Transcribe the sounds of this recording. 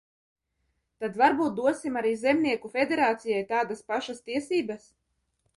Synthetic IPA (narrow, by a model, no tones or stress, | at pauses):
t̪ad̪vaɾbuːt̪̚d̪uɔsimaɾiːzɛmniɛkufʲed̪eɾaːt̪sijajt̪aːd̪aspaʃast̪iɛsiːbas